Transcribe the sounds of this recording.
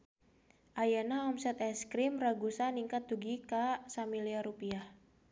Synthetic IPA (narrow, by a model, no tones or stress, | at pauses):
ʔajanaɔmsɛt̪ɛskɾimraɡusaniŋkat̪̚duɡikasamiliaɾupiah